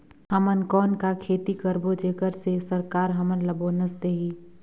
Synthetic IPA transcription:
ɦəmənkɔːnkakʰeːt̪ikəɾbod͡ʒeːkəɾsesəɾkaːɾɦəmənləboːnəsd̪eːɦiː

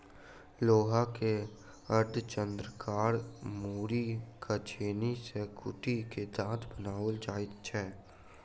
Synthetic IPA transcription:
loːɦake | əɾd̪t͡ʃə̃nd̪ɾəkaːɾmuːɾikʰat͡ʃʰeːnisekʰʊʈiked̪ãːt̪ʰbənaːʋəld͡ʒaːɪt̪t͡ʃʰɛː

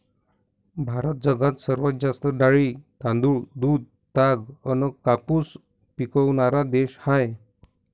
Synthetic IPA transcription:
bʱaɾət̪̚d͡zəɡat̪səɾʋət̪̚d͡zast̪əɖaɭit̪ãnd̪uːɭd̪uːd̪̚ | t̪aɡənəkapus | pikəwnaɾad̪eɕhaj

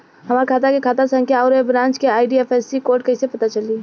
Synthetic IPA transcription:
ɦɐmaːɾkʰaːt̪̬akekʰaːt̪asɐ̃ŋkʰjaɔːɾebɾãːnt͡ʃkeaːɪɖieːfɛsikoːɾʈ̚kɐɦisepɐt̪at͡ʃɐli

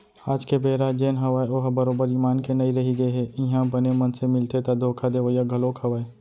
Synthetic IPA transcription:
aːd͡ʒkebeːɾad͡ʒeːnɦɐʋaːeoːɦbɐɾoːbəɾiːmaːnkenɐiɾɐɦiɡɐeɦɛːɪɦãbɐnemɐnsemɪlt̪et̪ad̪ʱoːkʰad̪eʋəjaɡʱɐloːkʰɦɐʋaːe

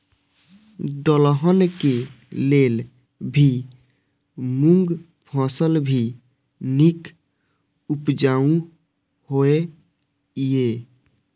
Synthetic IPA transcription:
d̪əlɦənke | lel | bʱi | muŋɡ | pʰɔ̃səlbʱi | nik | upd͡ʒaũ | hoe | je

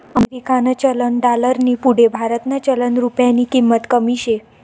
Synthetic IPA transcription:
əmeɾikanat͡ɕələnɖaləɾnipuɽebʱaɾət̪nat͡ɕələnɾupjanikimːət̪kəmiɕe

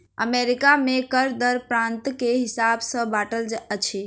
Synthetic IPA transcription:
ə̰meɾikamekəɾd̪əɾpɾãnt̪keɦisabsə̃baʈəld͡ʒət͡ʃʰi

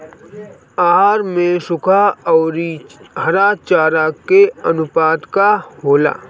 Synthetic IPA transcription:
aːɦaːɾmẽʃʊkʰaɔːɾiɦɐɾat͡ʃaːɾakeɐnʊpaːd̪kahoːla̰ː

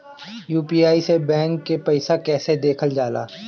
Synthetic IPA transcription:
juːpiːaːisebɛ̃ːŋkːepɐɪsakɛːsed̪eːkʰəld͡ʒaːla̰ː

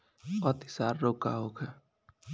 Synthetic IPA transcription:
ɔt̪i̥saːɾːoːka̰ɦokʰɛ

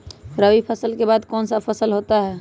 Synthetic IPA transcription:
ɾəʋipʰəsəlkebaːd̪kɔːnsapʰəsəlɦoːt̪aɦɛː

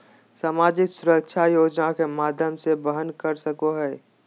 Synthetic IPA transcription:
saːmaːd͡ʒɪksʊɾəkʃʰajoːd͡ʒnakemaːd̪ʱjəmsebəɦənkəɾsəkoɦɛː

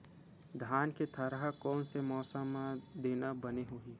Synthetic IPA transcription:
d̪ʱaːnket̪ʰaɾaɦakɔːnsemɔːsamãd̪eːnabəneɦoːiː

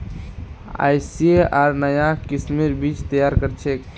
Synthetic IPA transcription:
a̰jsieaɾnəjakismiɾbit͡ʃt̪əjaɾkəɾt͡ʃʰek

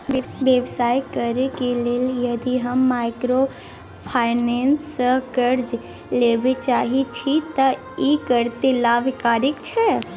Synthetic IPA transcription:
bjəbsaːjkəɾekileljɐd̪iɦəmːaɪkɾo | pʰaːɪneːnsəkəɾd͡ʒ | leːbet͡ʃaːɦit͡ʃʰit̪ɐ | ikəɾt̪elaːʋɪkaːɾɪkt͡ʃʰɛ

